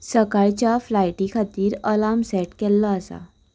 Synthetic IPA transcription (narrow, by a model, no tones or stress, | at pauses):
səkaɭt͡ɕjaflajʈikʰat̪iːɾəlamsɛʈkɛlːɔəsa̰